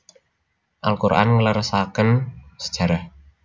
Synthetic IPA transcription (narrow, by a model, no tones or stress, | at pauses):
ʔalkuɾʔa̰nŋələɾəsakənsə̥d̥ʒ̥a̤ɾah